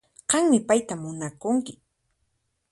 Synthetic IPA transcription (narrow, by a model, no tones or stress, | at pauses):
qɑŋmɪpajt̪amːʊnakʊŋkɪ